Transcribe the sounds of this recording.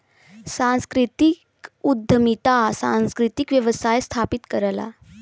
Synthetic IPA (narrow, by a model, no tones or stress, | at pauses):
sãnskɾit̪ikud̪ʱːəmit̪asã̰nskɾit̪ikʋjəʋəsajst̪ʰapit̪kəɾla̰